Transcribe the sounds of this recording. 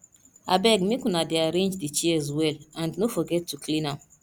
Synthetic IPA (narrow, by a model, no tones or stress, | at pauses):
abɛɡmekɔ̃nadeaɾẽnd͡ʒdit͡ʃiɛzwɛlãndnofɔɡɛtːukʰlĩnãm